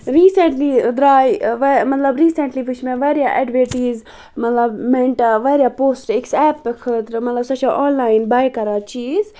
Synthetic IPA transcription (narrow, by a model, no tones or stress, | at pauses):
ɾiːseɳʈlid̪ɾaːjʋmɐt̪lɐbɾiːseɳʈliʋut͡ʃʰmẽʋaɾijaʔɛɖʋeʈiːz | mɐt̪lɐbmẽɳʈaʋaɾjapoːsʈeksɛːpːəkʰɨt̪ɾmɐt̪lɐbsɐt͡ʃʰaʔɔ̃ːnlaːinbaːjkɐɾat͡ʃiːz